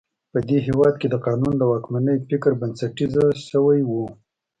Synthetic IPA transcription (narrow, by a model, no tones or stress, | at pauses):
pəd̪eɦewɑd̪̚ked̪əqɑnund̪əwɑkmanəjfɪkɾbansaʈizaʃəwajwu